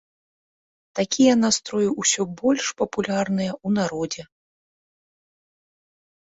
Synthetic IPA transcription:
t̪akʲijɐnast̪ɾɔjuwsʲɔbɔlʲʂpɐpulʲarnɨjɐun̪aɾɔd͡zʲɛ

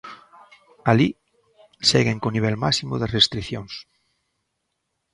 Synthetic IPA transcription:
ali | seɣeŋkoniβ̞ɛlmasimʊðerest̪ɾiθjoŋs

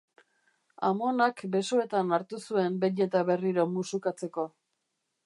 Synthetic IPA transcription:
a̰mo̞nakbe̞so̞e̞t̪anaɾt̪usue̞mbeɲe̞t̪aβe̞riɾo̞musukat͡se̞ko̞

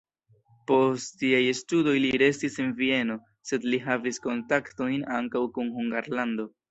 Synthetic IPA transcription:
po̞stːiajestudo̞jliɾe̞stisenvie̞no̞ | se̞dliɦavisko̞ntakto̞jnaŋkawkunhuŋɡaɾlando̞

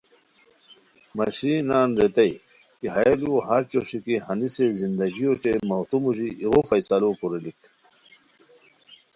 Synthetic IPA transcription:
mɐɕiːnaːnɾet̪ɐj | kiɦɐeluoɦɐɾt͡ɕoɕikihɐnisezind̪ɐɡijoʈ͡ʂemɐwt̪umuʑiʔiɣofɐjsɐloːkuɾelik

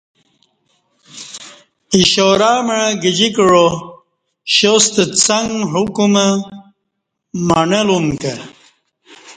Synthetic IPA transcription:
iɕoɾaːməəɡid͡ʑikɻo | ɕost̪ət͡sɐŋɡɦukumə | maɳɐlumkə

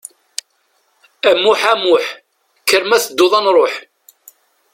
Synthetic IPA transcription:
æmuħæmʊħ | kːəɾmæθəd̪ːʊðˤɑnɾˤoħ

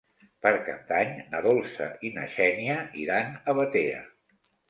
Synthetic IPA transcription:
pəɾkənt̪aɲnəðolˠsə̰inə̰ʃɛniəḭɾanəβət̪eə̰

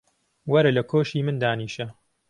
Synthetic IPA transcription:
wɐɾɐlɐkʰoːʃiːmɨnd̪aːniːʃɐ

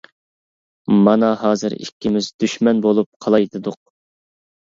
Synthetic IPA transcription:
mɑnɑɦɑːzɨ̰ɾḭkʲːimɪzd̪yʃmɛnbolˠup̚qʰɑlˠɑjd̪ɨd̪ʊq̚

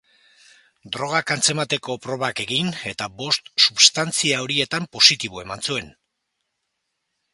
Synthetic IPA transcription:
d̪ɾo̞ɣ̞akant͡se̞mat̪e̞ko̞pɾo̞βake̞ɣine̞t̪abo̞st̪suβst̪ant͡siaoɾie̞t̪ampo̞sit̪iβoe̞mant͡sue̞n

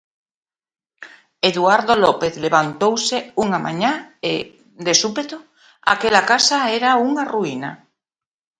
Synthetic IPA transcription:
eðuaɾðolɔpeθleβant̪owseuŋama̰ɲãe | d̪esupet̪o | a̰kelakasaeɾauŋaruina

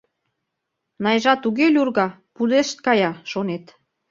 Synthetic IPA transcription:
nɑjʒɑt̪uɣelʲurɣɑ | pud̪eʃt̪̚kɑjɑʃonet̪

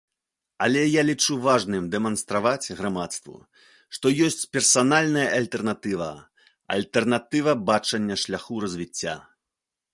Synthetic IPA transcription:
ɐ̰lʲɛjalʲit͡ʂuvaʐnɨmd̪ɛmɐnst̪ɾavat͡sʲɣɾamat̪st̪vṵ | ʂt̪ɔjɔsʲt͡sʲpʲɛrsanalʲnɐjɐʔɐlʲt̪ɛrnat̪ɨvɐ̰ | ɐ̰lʲt̪ɛrnat̪ɨvɐbat͡ʂɐnʲːɐʂlʲaxuɾɐzʲvʲit͡sʲːa̰

